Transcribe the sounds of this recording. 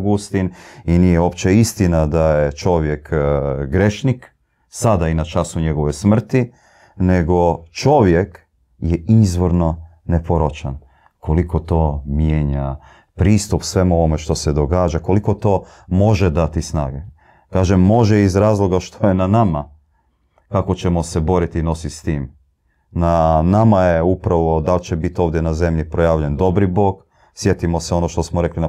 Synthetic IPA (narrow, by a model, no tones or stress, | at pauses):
ɡust̪ininijeo̞pt͡ɕeist̪inad̪ajet͡ʃo̞ʋje̞kɡɾeʃnik | sad̪ainat͡ʃasuɲe̞ɡo̞ʋo̞jsmr̩t̪i | ne̞ɡo̞t͡ʃo̞ʋje̞k | jeizʋoɾno̞nepo̞ɾot͡ʃan | kʰo̞liko̞t̪o̞ːmjeːɲa | pɾiːst̪upsʋe̞mo̞ʋome̞ʃt̪o̞sed̪o̞ɡaːd͡ʒako̞liko̞t̪o̞ː | mo̞ʒed̪at̪isna̰ːɡe | kaːʒemːo̞ʒeizɾaːzlˠo̞ɡaʃt̪ʰojenanama | kako̞t͡ɕe̞mo̞se̞bo̞ɾit̪ino̞sist̪iːm | nanamajeupɾaʋo̞d̪alt͡ɕebit̪io̞ːʋd̪je̞naze̞mʎipɾo̞jaːʋʎend̪o̞bɾibo̞ːk | sje̞t̪imoseo̞no̞ʃt̪o̞smoɾe̞klina